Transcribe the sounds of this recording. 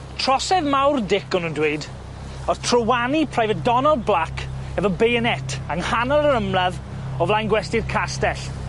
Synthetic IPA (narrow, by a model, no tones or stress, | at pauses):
tʰr̥ɔsɛðmawrdɪkɔnundwed | ɔtʰrəwanipʰrajvɛdɔnɔlˠblˠakʰɛvɔbejənɛtʰaŋhanɔlˠəɾəmlað | ɔvlajnɡwɛstɪrkʰastɛɬ